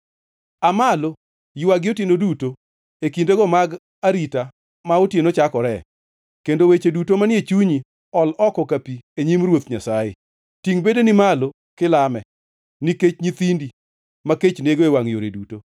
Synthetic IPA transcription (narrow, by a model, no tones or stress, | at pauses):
amalo | jwaɡɪotjenoduto | ekindeɡɔmaɡ | aɾita | maotjenot͡ʃakɔɾɛ | kendowet͡ʃedutomanɪet͡ʃuɲi | ɔlɔkɔkapieɲimrwot̪ɲasajḛ | tiŋbedenɪmalo | kɪlamɛ | niket͡ʃɲit̪indi | maket͡ʃneɡoewaŋjo̰ɾḛduto